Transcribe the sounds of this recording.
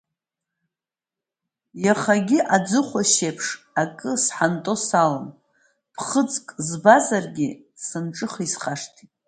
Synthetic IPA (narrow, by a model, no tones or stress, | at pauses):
jaχaɡʲiʔad͡zɨχʷaʃepʰʂ | akʼɨsħantʼo̞salan | pʰχəd͡zkʼzbazarɡʲi | sɨnʈ͡ʂʼɨχisχaʂtʰitʼ